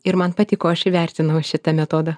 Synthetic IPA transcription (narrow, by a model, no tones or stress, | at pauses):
ɪɾmɐnpɐt̪ʲiːkoːɐʃɪʋʲæˑɾʲt̪ʲɪnɐʊʃʲɪt̪ɐmʲɛt̪oːd̪ɐ